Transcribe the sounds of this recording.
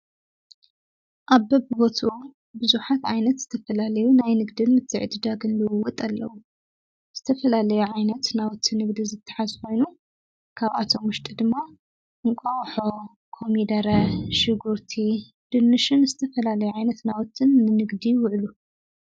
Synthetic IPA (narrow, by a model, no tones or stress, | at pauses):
ʔaβbɐbɨbot̪ʰʔu | bɨzuħat̪ʕajnɐt̪z̥ɨt̪ʰɐfɐlalɐjunajnɨɡd̪ɨnmɨt̪ʰːɨʕd̪ɨd̪aɡɨnlɨwwɔt̪ʼalːɐ̰wu | z̥ɨt̪ʰɐfɐlalɐjuʕajnɐt̪nawɔt̪ʰːɨnɨɡd̪izɨt̪ʰːɨ̥ħazko̞jnu | kʰaβʔa̰t̪ʰo̞mwʊʃt̪ʼid̪ɨmːa | ʔɨŋkʷʼawħo | kʰo̞mid̪ɐɾɐʃɨɡuɾt̪ʰi | d̪̥ɨnːɨʃɨnzɨt̪ʰɐfɐlalɐjuʕajnɐt̪nawɔt̪ʰːɨnːɨnɨɡd̪iwʊʕlu